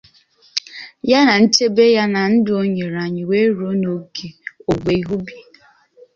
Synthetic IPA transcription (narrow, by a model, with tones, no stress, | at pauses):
ja˦na˨n̩˦t͡ʃe˦be˦ja˦na˨n̩˦dʊ˨o˦ɲe˨ɾa˨ɲɪ˨we˦ɾo˨˦no˨ɡe˨o˨ɡ͡be˨i˦ɦu˦bi˨